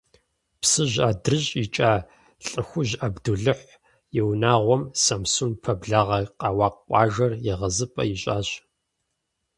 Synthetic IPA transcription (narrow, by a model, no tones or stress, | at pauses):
psɨʑaːdrɨɕʼit͡ʃʼaː | ɬʼɨxʷʊʑɐbduɮɨħʷ | jɪwnaːʁʷɔmsɐmsunpʰɐbɮaːʁɐqʼɑːwɑːqʷʼɑːʒɐrjɪʁɐzɨpʼɐ̰jiɕʼaːɕ